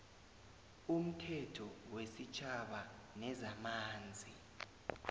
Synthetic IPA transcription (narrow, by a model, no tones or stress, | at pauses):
um̩tʰɛtʰɔwesit͡ʃʰʼaɓa | nɛzamaːnd͡zʱi